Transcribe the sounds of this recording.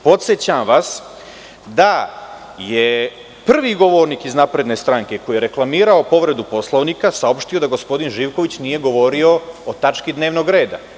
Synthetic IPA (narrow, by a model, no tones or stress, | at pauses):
po̞t̪set͡ɕamʋas | d̪a | je | pr̩ʋiɡo̞ʋo̞ːɾnikiznapɾe̞d̪ne̞st̪ɾaŋke̞ko̞jijeɾe̞klˠamiːɾaopo̞ʋɾe̞d̪upo̞slˠoʋnikasao̞pʃt̪ijo̞d̪aɡo̞spo̞d̪inʒiːʋko̞ʋit͡ɕnije̞ɡo̞ʋo̞ɾio̞ot̪at͡ʃkid̪ne̞ːʋno̞ɡɾe̞ːd̪a̰